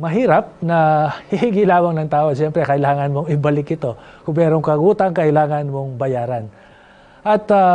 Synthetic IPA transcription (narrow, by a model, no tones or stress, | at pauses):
mɐɦiːɾɐp̚nɐhɪhiɡɪlaːmɐŋnɐŋt̪aːʔoɐʃɛmpɾɛkɐʔɪlaːŋɐnmo̞ŋɪbɐlɪkɪt̪o̞kʊŋmɛːɾo̞ŋkɐɡuːt̪ɐŋkɐʔɪlaːŋɐnmo̞ŋbɐjaːɾɐn | ʔɐt̪ɐ